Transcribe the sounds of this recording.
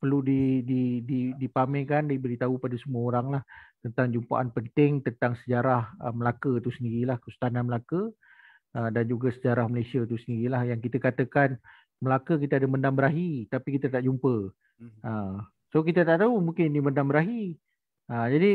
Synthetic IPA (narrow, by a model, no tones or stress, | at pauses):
pərludidididipamɛ̃kandibəɾit̪aupadasəmuaoɾaŋlaht̪ənt̪aŋd͡ʒumpa̰ʔanpənt̪ɪŋt̪ənt̪aŋsəd͡ʒaɾahəməlakət̪usəndiɾilahkəsu̥t̪ananməlakə | ədand͡ʒuɡasəd͡ʒaɾahməlesiat̪usəndiɾilahjaŋkit̪əkat̪əkan | məlakək̬it̪əadaməndambəɾaɦit̪apikit̪at̪aʔd͡ʒumpə | ə | sokit̪at̪aʔt̪aumuŋkɪniniməndambəɾaɦi | əd͡ʒadi